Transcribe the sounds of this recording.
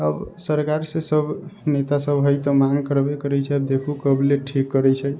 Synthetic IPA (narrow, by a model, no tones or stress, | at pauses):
əbsəɾkaɾsẽsəbnet̪asəbɦəjt̪ɔmaŋkəɾbekəɾɛt͡ʃʰɛəbd̪ekʰukəbleʈʰikːəɾɛt͡ʃʰɛ